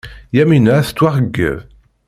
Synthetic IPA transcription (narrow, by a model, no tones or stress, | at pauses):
jæminæθt͡s̪ːwaʁəɡːə̰ð